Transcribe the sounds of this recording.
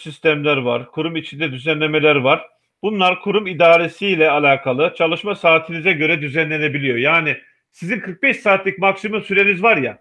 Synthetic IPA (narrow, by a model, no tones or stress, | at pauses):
sist̪ʰæmlʲæɾva̰ɾkʰuɾumit͡ʃʰind̪ɛd̪yzænlʲe̞me̞lʲæɾvaɾ̥ | b̥unlˠaɾkʰuɾumid̪aːɾe̞silʲɛalʲaːkʰalˠɯt͡ʃʰalˠɯʃmasaːt̪ʰinizɛɟø̞ɾɛd̪yzænlʲe̞ne̞bilʲijo̞jaːnɪ | sizinkʰɯɾk̚bɛʃsaːt̪lʲic̚maksimumsyɾe̞nizvaɾja